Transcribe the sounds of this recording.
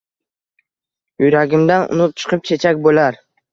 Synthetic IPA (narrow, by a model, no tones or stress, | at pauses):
ʊjɾaɡʲɪmd̪anʊ̰nʊp̚t͡ʃʰɨ̥qʰɨp̚t͡ʃʰe̞t͡ʃʰakʲbolaɾ